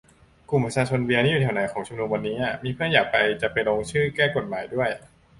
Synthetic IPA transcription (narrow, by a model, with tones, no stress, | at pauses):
ku˨˩mpɾa˧t͡ɕʰaː˧t͡ɕʰo˧nbi˧ɐnʰiː˥˩˨uː˨˩ɛ˩˦na˩˦jkʰɔː˩˦ŋt͡ɕʰu˧mnu˧mwa˧nːiː˦˥ʔa˨˧˩miː˧pʰɯ˥˩ənjaː˨˩k̚pa˧jt͡ɕa˨˩pa˧jloː˧ŋt͡ɕʰɯː˥˩kɛː˥˩ko˨˩t̪̚maː˩˦jdu˥˩əj